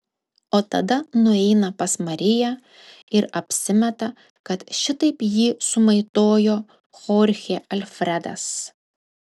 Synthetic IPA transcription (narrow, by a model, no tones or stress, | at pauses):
oːt̪ɐd̪ɐnʊɛɪnɐpɐsmɐɾʲɪjæ | ɪɾɐpʲsʲɪmʲɛt̪ɐ | kɐt̪ʃʲɪt̪ɐɪpjiːsʊmɐɪt̪oːjoː | xɔːɾʲxʲeɐlʲfʲɾʲɛd̪ɐ̰s